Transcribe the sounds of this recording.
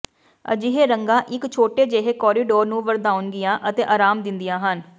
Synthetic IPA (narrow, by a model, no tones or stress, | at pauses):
ə̰d͡ʒɪɦeːɾəŋɡãːʔɪkt͡ʃʰoːʈeːd͡ʒeːɦeːkɔːɾiːɖoːɾnũːʋəɾd̪aːʊnɡɪjãːʔət̪eːʔaːɾaːmd̪ɪnd̪ɪjãːɦən